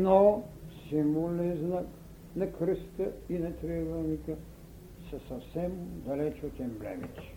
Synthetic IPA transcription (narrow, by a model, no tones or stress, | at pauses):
nosimuliznak | nɛkɾəst̪əinɛt̪ɾɛvɛlˠnikə | sɐsɐfsɛmd̪ɐlɛt͡ʃot̪ʲɛmblɛ̰mḭt̪ʲi̥